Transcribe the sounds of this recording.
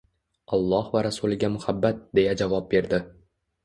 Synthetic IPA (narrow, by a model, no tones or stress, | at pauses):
ɒlˠːɒhvaɾasulɪɡʲamʊhabːat̪̚d̪e̞jad͡ʒavɒp̚be̞ɾd̪ɪ